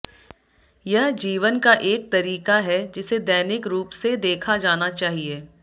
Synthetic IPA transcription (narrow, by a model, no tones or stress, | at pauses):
jɐɦd͡ʒiːʋənkaʔeːk̚t̪ɐɾiːkaɦɛd͡ʒɪsed̪ɛːnɪkɾuːpsed̪eːkʰad͡ʒaːnat͡ʃaːɦieː